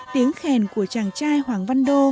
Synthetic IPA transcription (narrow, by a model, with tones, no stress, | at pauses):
t̪i˨˦əŋxɛ˨˩nku˧˩ət͡ɕaː˨˩ŋt͡ɕaː˧jhwaː˨˩ŋva˧nɗo˧